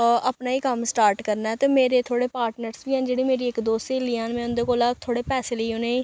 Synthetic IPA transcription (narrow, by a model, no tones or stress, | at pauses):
əpnaːiːkəmsʈaːɾʈkəɾnaːɛt̪eːmeːɾeːt̪ʰoːɽeːpaːɾʈnəɾsbiːɛ̃ːd͡ʒeːɽiːmeːɾiːɪkd̪oːst̪eːlijãːnmɛ̃ːʊ̃nd̪eːkoːlaːt̪ʰoːɽeːpɛːseːləiːɦoneː